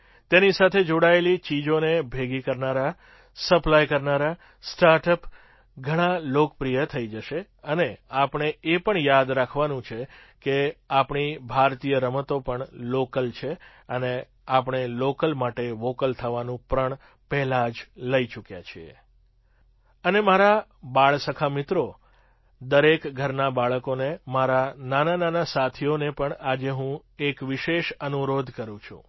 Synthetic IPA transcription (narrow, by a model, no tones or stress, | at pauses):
t̪enisat̪ʰed͡ʒoɽaelit͡ʃid͡ʒonebʱeɡikəɾnaɾa | səplajkəɾnaɾa | sʈaɾʈəp | ɡʱəɽ̃alokpɾijət̪ʰəid͡ʒəʃe | əneapɳ̃eepəɳjad̪ɾakʰʋanũt͡ʃʰe | keapɳibʱaɾt̪ijəɾəmət̪opəɳlokəlt͡ʃʰe | əne | apɳ̃elokəlmaʈeʋokəlt̪ʰəʋanũpɾəɳ | pɛɦlad͡ʒləit͡ʃukja̰t͡ʃʰiḛ | ənemaɾabaɭsəkʰamɪt̪ɾo | d̪əɾekɡʱəɾnabaɭəkonemaɾananananasat̪ʰionepəɳad͡ʒeɦũekʋɪʃeʃənuɾod̪ʱkəɾũt͡ʃʰṵ̃